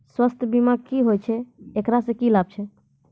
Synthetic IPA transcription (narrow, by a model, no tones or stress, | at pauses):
swəst̪ʰbimaɡ̚kiɦojt͡ʃʰɛekɾasẽkilab̚t͡ʃʰɛ